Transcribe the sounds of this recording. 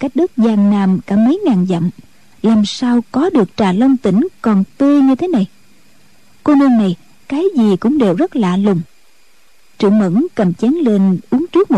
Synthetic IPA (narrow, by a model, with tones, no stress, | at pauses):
kaː˦˥jk̚ɗɨ˦˥k̚zaː˨˩ŋnaː˨˩mkaː˧˩mə˨˦jŋaː˨˩nzə̰˧˨m | laː˨˩msaː˧wkɔ˨˦ɗɨ˨˩ək̚t͡ɕaː˧˨˩lə˧wŋ͡mt̪ï˧˩˦ŋ̟kɔ˨˩nt̪i˧ɲɨ˧t̪ʰe˨˦na˨˩j | ko˧nə˧nːa˨˩j | kaː˨˦jzi˨˩kʊ̰˧˥ŋ͡mɗe˨˩wzə˦˥t̚laː˧˨lʊ˨˩ŋ͡m | t͡ɕɨ̰˧˩˨əŋmə̰˧˥nkə˨˩mt͡ɕɛ˨˦nle˧nʔu˨˦əŋt͡ɕɨ˦˥k̚mo˨˩